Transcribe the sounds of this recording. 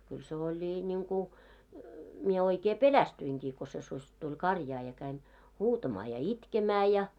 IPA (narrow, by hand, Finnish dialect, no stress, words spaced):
kyl se olʲi nʲiŋku mie oikeː pelæstyiŋkiː ko se susʲ tulʲ kɑrjɑː jɑ kæin huːtɑmɑː jɑ itkemæː jɑ